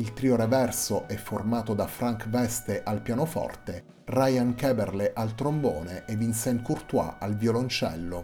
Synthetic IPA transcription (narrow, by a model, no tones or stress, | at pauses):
ilt̪ɾioɾevɛrsoʔɛfːormaːt̪od̪afɾaŋkvɛst̪eʔalpjaːnofɔ̰rt̪e | rajaŋkɛːberleʔalt̪ɾomboːneʔɛvinsɛnkurt̪wa̰alvjolont͡ʃɛ̰lːo